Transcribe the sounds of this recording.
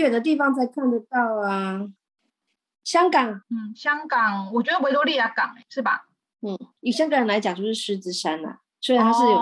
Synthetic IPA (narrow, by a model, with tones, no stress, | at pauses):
ɛ˨˩d̪ə˦t̪i˥˩fɑ˧˦ŋt͡sa˥˩ɪkʰa˥˩nd̪ə˨˩t̪ɑ˥˩ʊə˨˩ | ɕjɑ˥ŋkɑ˨˩˦ŋn̩˥˩ɕjɑ˥ŋkɑ˨˩ŋwɔ˨˩t͡ɕɥɛ˧˥ə˧we˥ɪt̪wli˥˩ja˧˥kɑ˨˩ŋḛ˨˦ʂɻ̩˥˩bɐ̰˩ | n̩˥˩i˨˩ɕja˥˧ŋkə˥˩ɻə˧˥nla˧˥ɪt͡ɕjɑ˨˩ŋt͡ɕo˥˧ʊʂɻ̩˥˨ʂɻ̩˧˥t͡sɻ̩˥ʂa˦nə̰˩ | swe˥ɻa˨nʰa˥ʂɻ̩˥˩jo˨˩